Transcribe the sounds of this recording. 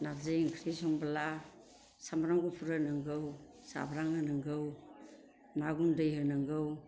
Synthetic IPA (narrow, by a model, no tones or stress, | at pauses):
nazɯjŋkʰɾisɔŋbala | samɾaŋɡupʰuɾɯnɯŋɡɯw | sa̰bɾaŋɯnɯŋɡɯw | naɡundɯjhɯnɯŋɡɯw